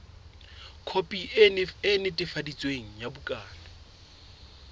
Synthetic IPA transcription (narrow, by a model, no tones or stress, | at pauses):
kʰopʼiɪnɪtʼɪfadit͡sʼweŋ̩jabʊkʼaːna